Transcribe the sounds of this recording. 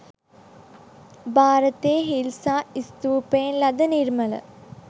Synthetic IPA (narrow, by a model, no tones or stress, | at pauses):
bʱaːɾɐt̪eːɦilsaːist̪uːpeːnlɐd̪ɐniɾmɐlɐ̰